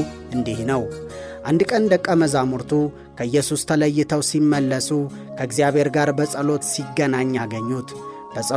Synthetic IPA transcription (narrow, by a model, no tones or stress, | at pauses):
ʔɨnd̪ihnəwʔand̪kʼənd̪əkʼːəməzamuɾt̪ʰu | kʰəɨjːɛsust̪ʰələjːɪt̪ʰəwsimːəlːəsu | kʰəɪɡzijaβhe̞ɾɡaɾbəsʼəlo̞t̪siɡːənaɲːaɡəɲːut̪ | b̥əsʼə